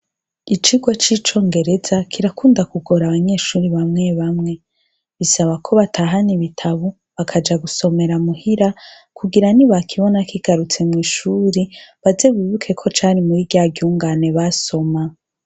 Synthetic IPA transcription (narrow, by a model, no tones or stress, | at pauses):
it͡ʃiɡwat͡ʃiːt͡ʃo̞ːŋɡe̞ɾe̞zakʰiɾakuːndakuɡo̞ɾaβaɲe̞ːʃuːɾiβamŋe̞βamŋe̞ | βisaβakʰo̞βatʰaːɦaniβitʰaβu | βakʰad͡ʒaɡuso̞me̞ɾamuhiɾa | kʰuɡiɾaniβakʰiβo̞nakiɡ̥aɾut͡se̞mŋiːʃuːɾiβaze̞βiβukʰe̞kʰo̞t͡ʃaːɾimuɾiɡjaɡjuːŋɡane̞βaso̞ma